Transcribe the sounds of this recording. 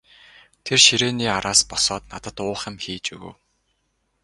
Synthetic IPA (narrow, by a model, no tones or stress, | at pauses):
t̪ʰerʃiɾeːniːaɾaːspɔsɔːt̪nat̪ə̆t̪ʊːχɪ̆mxiːt͡ɕuɣɵ̰̆w